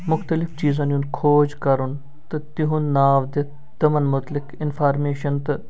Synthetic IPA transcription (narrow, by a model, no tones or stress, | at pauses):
mʊxt̪əlɪft͡ʃiːzãːnũnd̪kʰoːd͡ʒkɐɾun | t̪ɨt̪iɦunːaːʋd̪ɪt̪ | t̪ɐmɐnmʊt̪lɪkɪnfʰaːɾmeːʃɐnt̪ɨ